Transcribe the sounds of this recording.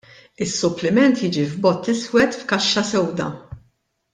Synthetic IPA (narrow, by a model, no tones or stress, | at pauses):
ɪsːʊplɪmɛnt̪jiːd͡ʒivbɔt̪ːɪswɛt̪fkɐʃːɐsɛwd̪ɐ̰